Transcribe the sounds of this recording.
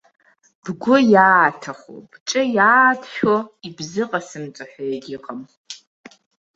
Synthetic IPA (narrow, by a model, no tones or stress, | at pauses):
b̥ɡʷʊjaːtʰaχʷo̰bʈ͡ʂʼɨjaːdʃᶣoibzɨqʼasɨmt͡sʼaħʷᶣajaɡʲɪqʼəm